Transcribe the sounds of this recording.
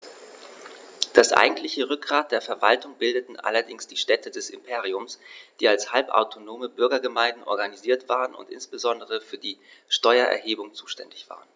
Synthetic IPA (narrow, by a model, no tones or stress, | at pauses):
d̥asʔa̰ɪɡŋ̩tlɪçəʁʏk̚ɡ̥ʁaːt̚d̥eːɐfɛɐva̰ltʊŋbɪldətn̩ʔa̰lɐdɪŋsd̥iːʃtɛtʰədɛsɪmpʰeːʁiʊmsd̥iːalshalpʔa̰ʊtʰonoːməbʏɐɡɐɡəmaɪ̃ndn̩ʔɔ̰ɐɡaniziːɐtv̥aːʁənʊ̰ntʔɪ̰nsb̥əzɔndəʁəfyːɐdiːʃtɔʏɐʔɛ̰ɐheːbʊŋt͡suːʃtɛndɪçv̥a̰ːʁən